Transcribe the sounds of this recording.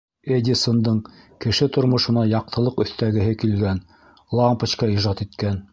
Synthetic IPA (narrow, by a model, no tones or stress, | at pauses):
ed̪ʲisond̪ɤɴ | kɘ̆ʃɘt̪ŏɾmŏʃɤ̆nɑjɑq̚t̪ʰɤ̆lˠɤqɵ̆θt̪æɡɘ̆ɦɘkilɡæn | lˠɑmpət͡ɕkɑiʒɑt̪it̪kæn